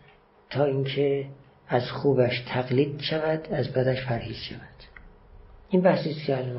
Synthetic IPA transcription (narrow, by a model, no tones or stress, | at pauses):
t̪ʰɒːiŋkʰe | æzxuːbæʃt̪ʰæɣliːd̪ʃævæd̪̥æzbæd̪æʃpʰæɾhiːz̥ʃævæd̪̥ | ʔinbæhsiːst̪cʰeælɒn